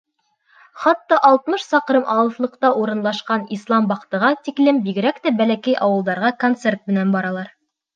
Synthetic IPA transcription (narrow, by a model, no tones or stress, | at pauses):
χɑt̪ːɑʔɑlˠt̪mɤʃsɑqɾɤmʔɑw̪ˠɤ̆θlˠɤ̆qt̪ɑʔuɾɤ̆nlˠɑʃqɑnislˠɑmbɑqt̪ɤ̆ʁɑt̪iklɘmbiɡɘ̆ɾækt̪æbælækæjʔɑwɤ̆lˠd̪ɑɾʁɑkont̪sert̪̚mɘ̆nænbɑɾɑlˠɑɾ